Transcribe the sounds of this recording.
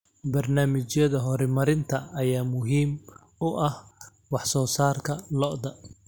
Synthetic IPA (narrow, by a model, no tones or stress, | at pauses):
bɐrnaːmɪt͡ʃjɐðɐɦɔɾɪmɐɾɪnt̪ʰɐɐjaːmʊɦiːm | ʊʔɐh | wɑħsɔːsaːrkʰɐlɔʔd̪ɐ